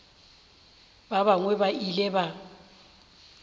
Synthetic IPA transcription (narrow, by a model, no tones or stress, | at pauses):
baβaŋwɛbailɛba